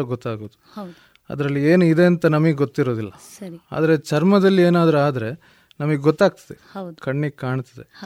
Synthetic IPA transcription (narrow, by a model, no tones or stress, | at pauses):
ɐɡɔt̪ːaːɡoːd̪uɐ | ɐ̰d̪ɐɾɐlːieːnuid̪e̞ɐnt̪ɐnɐmɐɡeɡot̪ːiɾo̞ːd̪ilːɐ | sɐia̰ːd̪ɐɾe̞t͡ʃɐɾmɐd̪ɐlːieːnaːd̪ɐɾeaːd̪ɐɾe̞ | nɐmɐɡeɡɔt̪ːaːɡ̚t̪ɐ̥d̪ehɐwd̪kɐɳːiɡ̚kaːɳt̪ɐd̪ḛ